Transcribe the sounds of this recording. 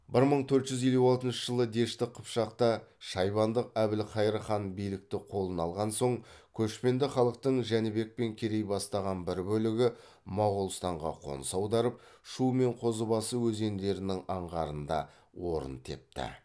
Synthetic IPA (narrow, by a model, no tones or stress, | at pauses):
bɪɾməɴt̪ʰɵɾt̪ʒ̥ʏzje̞luɑlˠt̪ənʃəʒəlˠəd̪e̞ʃt̪ɪqʰəpʃɑqt̪ɑʃɑjβɑnd̪əqæbɪlqʰɑjɾəχɑnbijlɪk̚t̪ɪqʰo̞lˠənɑlˠʁɑnso̞ɴkʲʰɵʃpe̞nd̪ɪχɑlˠəq̚t̪əɴʒænɪbe̞k̚pe̞ŋkʲʰe̞ɾe̞jbɑst̪ɑʁɑnbɪɾbɵlɪɡʲɪ | mɑwʁəlˠst̪ɑɴʁɑ̰qʰo̞̰nəsɑwd̪ɑɾəp̚ʃume̞ɴqʰo̞zəbɑsəwɵze̞nd̪e̞ɾɪnɪŋɑɴʁɑɾənd̪ɑ | wo̞ɾə̰nt̪ʰe̞p̚t̪ɪ̰